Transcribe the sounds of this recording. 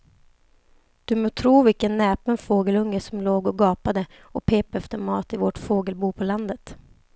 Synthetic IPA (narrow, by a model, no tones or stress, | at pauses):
d̪̥ɵmoːt̪ʰɾuːvɪkənːɛːpənfoːɡəlɵŋːəsɔmloːɡɔɡɑːpad̪ə | ɔpʰeːpɛft̪əɾmɑːt̪ɪvɔʈfoːɡəlbuːpʰɔland̪ət̪